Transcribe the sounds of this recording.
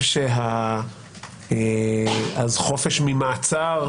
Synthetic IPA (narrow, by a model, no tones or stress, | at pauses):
ʃeɦa | azχo̞feʃmimaːt͡saʁ